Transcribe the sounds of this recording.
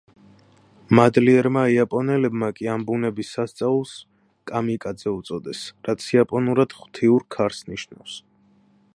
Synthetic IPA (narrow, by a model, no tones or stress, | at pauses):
mad̪liɛɾmaiapʼɔnɛlɛbmakʼiambunɛbisːast̪sʼaulˠs | kʼamikʼad̪zɛut̪sʼɔd̪ɛsɾat̪sʰiapʼɔnuɾad̪̥χw̥t̪ʰiuɾkʰaɾsniʃna̰fs